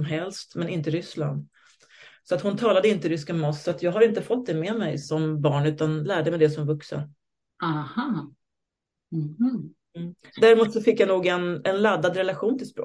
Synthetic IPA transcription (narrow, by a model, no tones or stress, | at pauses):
mɦɛlst̪mɛnɪnt̪əɾʏsla̰nd̪ | sɔat̪hʊnt̪ʰɑːlad̪əɪnt̪əɾʏskamɔsːɔat̪jɑːɡɦaɾɪnt̪əfɔt̪̚ːd̪ɛmɛmɛjsɔmbɑːɳʉ̟ːt̪anlæːɖɛmɛɪd̪ɛsɔmvɵksə̰ | ahɑ | h̩ | m̩ːd̪æɾmuːt̪sɔfɪkːjanuːɡɛnɛnlad̪ːad̪ɾɛlaɧuːnt̪ʰɪlspɾo̰ː